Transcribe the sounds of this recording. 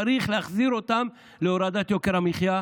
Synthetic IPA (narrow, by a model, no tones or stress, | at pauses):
ɾiχleaχziɾo̞t̪am | leoɾad̪at̪jokeɾamiχja